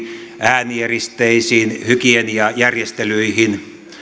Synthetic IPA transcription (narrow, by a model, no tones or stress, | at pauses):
ʔæːnierist̪eisiːnhykienjɑjærjest̪elyihin